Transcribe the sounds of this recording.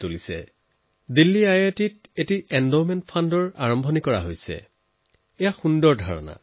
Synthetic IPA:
tolisɛ̰ | dilːiajetit̚etiʔɛndomɛntpʰandɔɹa̰ɹɔmbʱɔnikɔɹa̰ɦojsɛ̰ | ɛjaxundɔɹdʱaɹɔ̰na̰

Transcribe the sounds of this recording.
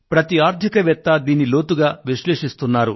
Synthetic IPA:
pɾɐt̪iaːɾd̪ʱikɐʋɛt̪ːɐd̪iːnːilo̞ːt̪uɡaːʋiʃleːʂist̪unːaːɾṵ

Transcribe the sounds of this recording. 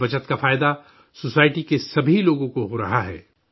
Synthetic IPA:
bɐt͡ʃət̪kafaːɪd̪a | sosaːɪʈikesɐbʱiloːɡõkoɦoɾɐɦaɦɛ̰ː

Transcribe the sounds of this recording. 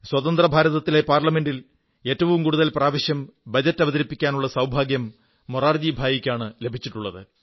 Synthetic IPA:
swɐðɐnd̪rɐbʱaːɾɐðɐt̪ːile̞paːrlɐme̞ndil | e̞ːtːɐʋumkuːɽuðɐlpraːʋɐɕjɐmbɐd͡ʑɐtːɐʋɐðɐɾipːikʲːaːnuɭːɐsɐwbʱaːɡjɐmː | uraːrd̪ibʱaːjikʲːaːɳɨle̞bʱit͡ɕːiʈːuɭːɐðɨ

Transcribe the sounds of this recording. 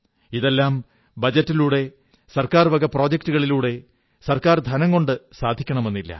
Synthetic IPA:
iðe̞lːaːm | bɐd͡ʑɐtːiluːɽe̞ | sɐrkaːrʋɐɡɐpro̞ːd͡ʑɐk̚tuɣɐɭiluːɽe̞ | sɐrkaːrd̪ʱɐnɐŋko̞ɳɖɨsaːd̪ʱikʲːɐɳɐme̞nːilːɐ̰

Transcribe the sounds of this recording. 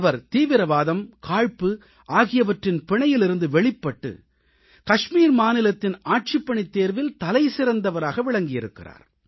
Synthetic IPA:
ʋɐɾt̪iːʋɪɾɐʋaːðɐmkaːɻpɯ | ʔaːɣɪjɐʋɐʈrɪnpɪɳɐjɪlɪɾɯnd̪ɯʋɛɭɪpːɐʈːɯ̰ | kɐʂmiːɾmaːnɪlɐt̪ːɪnaːʈ̚t͡ʃɪpːɐɳit̪ːeːɾʋɪlt̪ɐlɐɪsɪɾɐnd̪ɐʋɐɾaːɣɐʋɪɭɐŋɡɪjɪɾɯkːɪ̰ra̰ːɾ

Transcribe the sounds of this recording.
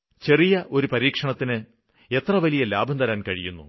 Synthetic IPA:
t͡ɕe̞rijɐʔo̞ɾupɐɾiːkʂɐɳɐt̪ːinɨ | e̞t̪rɐʋɐlijɐlaːbʱɐnd̪ɐɾaːnkɐɻijunːṵ

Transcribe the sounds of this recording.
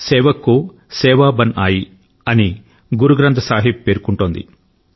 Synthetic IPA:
sɛːʋɐkːu | sɛːʋaːbɐnaːji | ɐni | ɡuɾuɡɾɐnt̪ʰɐsaːɦipːpeːɾkuɳʈoːnd̪ḭ

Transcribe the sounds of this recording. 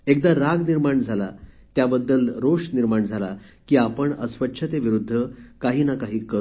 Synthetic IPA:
ek̚d̪aɾaɡniɾmaɳd͡zʱala̰t̪jabəd̪ːəlɾoʂniɾmaɳd͡zʱala | kiːapəɳəsʋətːɕʰət̪eʋiɾud̪ʱːəkaɦiːnakaɦiːkəɾ

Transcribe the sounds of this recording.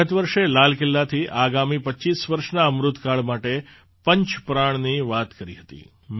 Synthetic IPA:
ət̪ʋəɾʃelalkɪlːat̪ʰiʔaɡamipəːt͡ʃisʋəɾʃnaəmɾʊt̪kaɭmaʈe | pəɲt͡ʃpɾaɳ̃niʋat̪kəɾḭɦət̪ḭ | m

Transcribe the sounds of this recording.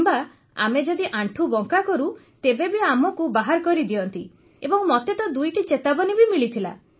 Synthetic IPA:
mba | a̰med͡ʒɔd̪iʔaɳʈʰubɔŋkakɔɾu | t̪ebebiamɔkubaɦaɾkɔɾid̪iɔnt̪i | ebɔŋmɔt̪et̪ɔd̪ujʈit͡ʃet̪abɔnibimiɭit̪ʰila̰

